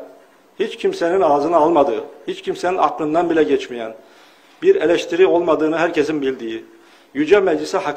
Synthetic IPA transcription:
hit͡ʃcʰimsæninɑːzɯnɯɑlˠmɑd̪ɯhit͡ʃcʰimseninɑ̰qlˠɯnd̪ɑnbilʲæɟet͡ʃmijæn | b̥iɾelæʃt̪ʰiɾio̞lˠmɑd̪ɯːnɯɦæɾcʰesinbilʲd̪iji | jyd͡ʒɛmæd͡ʒlisɛhɑ

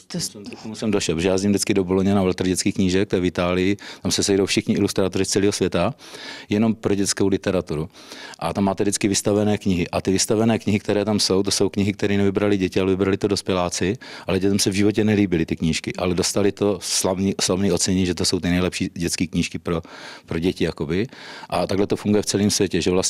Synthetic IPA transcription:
t̪omt̪ot̪omusɛmdoʃɛlpʒɛjaːzɲimdɪt͡skɪdo̞boloɲɛnavlɛt̪r̩ɟɛt͡skiːxkɲiʒɛk̚t̪ɛvɪt̪aːlɪjɪt̪amsɛsɛjdowfʃɪxɲɪɪlust̪ɾaːt̪oɾɪst͡sɛliːɦosvjɛt̪ajɛno̞mpɾoɟɛt͡skowlɪt̪ɛɾat̪uɾuʔat̪amːaːt̪ɛdɪt͡skɪvɪst̪avɛnɛːkɲɪɦɪʔat̪ɪvɪst̪avɛnɛːkɲɪɦɪkt̪ɛɾɛːt̪amso̞wt̪oso̞wkɲɪɦɪkt̪ɛɾiːnɛvɪbɾalɪɟɛcɪalɛvɪbɾalɪt̪odospjɛlaːt͡sɪʔalɛɟɛt̪ɛmsɛvʒɪvo̞c̬ɛnɛliːbɪlɪt̪ɪkɲiːʃkɪʔalɛdost̪alɪt̪o̞slavniːslavniːo̞t͡sɛɲɛɲʒɛt̪oso̞wt̪ɪnɛjlɛpʃiːɟɛtt͡skiːkɲiːʃkɪpɾopɾo̞ɟɛcɪjako̞bɪʔat̪aɡlɛt̪o̞fuŋɡujɛft͡sɛliːmsvjɛcɛʒɛvlas

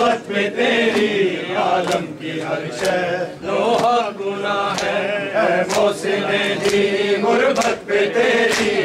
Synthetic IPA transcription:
ət̪pet̪eːɾiaːləmkiɐɾʃəɾoːɦaɡʊnaɦɛːɛmoːsɪmed̪ʱimʊɾbət̪̚pet̪eːɾi

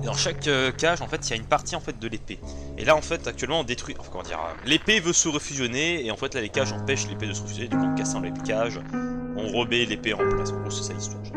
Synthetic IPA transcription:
ed̪ɑ̃ʃakøkːaʒɑ̃fɛt̪iljaynpaʁt̪ʰiɑ̃fɛt̪̚d̪əlepe | ḛlaɑ̃fɛt̪ak̚t̪ɥɛlmɑ̃ɔ̃d̪et̪χɥiɑ̰̃fɛ̃kɔmɑ̃d̪ḭʁ̰lepevøsəʁəfyzjɔneːɑ̃fɛt̪lalekaʒɑ̃pɛʃleped̪əsəʁəfyzjɔned̪ɔ̃kɑ̃kasɑ̃lepekaʒɔ̃ʁəbɛlepeɑ̃plasɡʁosɛ̥saist̪wa̰ʁ

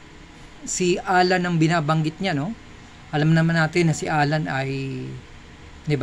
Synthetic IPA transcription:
sɪʔaːlɐnɐŋbɪnaːbɐŋɡɪt̪̚ɲano̞ | ʔɐlamnɐmanaːt̪ɪnːɐsɪʔaːlɐnɐj | d̪ɪba

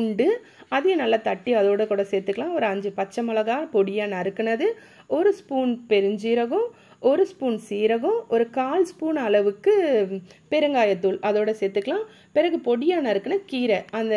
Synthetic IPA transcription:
ɳɖɯ | ɐðɪːɐnɐlːɐt̪ɐʈːiɐðoːɽɐkuːɽɐsɛːt̪ːɯkːɐlãːɔɾɯɐɲd͡ʒɯpɐt͡ʃːɐmɐlɐɣaːpɔɽɪjaːnɐɪɾɯkːɯɳɐðɯ | ɔɾɯspuːnpɛɾɯɲd͡ʒiːɾɐɣʊ̃ | ɔɾɯspuːnsiːɾɐɣʊ̃ɔɾɯkaːlspuːnɐlɐʋɯkːɯ | pɛɾɯŋɡaːjɐt̪ːuːɭʔɐðoːɽɐsɛːt̪ːɯkːɐlãː | pɪɾɐɣɯpɔɽɪjaːnɐɪɾɯkːɐɳɐkiːɾɛʔɐnd̪ɐ

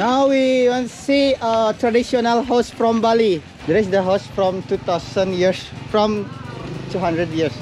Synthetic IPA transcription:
nawwiwãnsiət̪ɾadiʃɔnəlɦaʊsfɾɔ̃mbali | d̪ɛɾisdəɦaʊsfɾɔ̃mtut̪aʊsə̃njiəsfɹɔ̃m | tuɦãndɾədjiəs

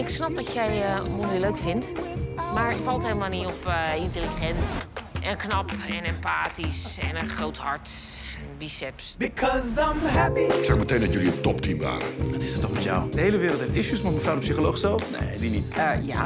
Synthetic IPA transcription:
ɪksnɑp̚dɔtjɛjmoldiløɥkfɪntmaːɹətfɑlˠthelˠəmaːlˠniɔpɪnteliχɛntʔɛnknɑpɛnɛmpaːtisɛ̰nənχrowthɑɹt | ɛnbisɛpsbikʰɔzãməɦæpiksɛkmətejndɔtjɵliətɔptimba̰ːkəətɪsətːɔχmɛtja̰wd̥əhejləʋɪːɾəlˠtɛtɪsjəsmɔtməfrawdəpsiχolowχsɛlˠfnḛdinitəja̰

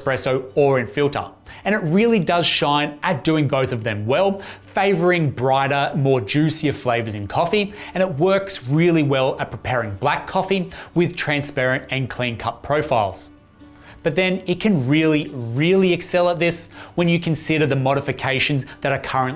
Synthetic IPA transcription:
spɹɛsoʊə˞ɨ̃nfɪlˠtə̰˞ | ɨ̃nɨt̚ɹɪlˠidʌz̥ʃãɪ̃nʔɨt̚d̥ʉɪ̃ŋboʊθʌvðɨ̃mwɛlˠfeɪvə˞ɪ̃ŋbɹaɪɾə˞mɔɹd͡ʒʉsiɨv̥fleɪvə˞zɨ̃nkʰɑfiɨ̃ñɨt̚wɜ˞ksɹɪlˠiwɛlˠət̚pʰɹ̥əpʰɛɹɪ̃ŋblækʰːɑfiwɨð̥tʰɹ̥æ̃nspɛɹɨ̃ntɨ̃nkʰl̥ĩnkʰʌpʰɹ̥oʊfaɪlˠz̥ | b̥ʌt̪̚ðɨ̃nɨt̚kʰɨ̃nɹɪlˠiɹɪlˠiɨksɛlˠət̪̚ðɪswə̃njɨkʰɨ̃n̩sɪɾə˞ðɨmɑɾɨfɨkʰeɪʃɨ̃n̩zðɨɾə˞kʰʌɹɨ̃nʔ

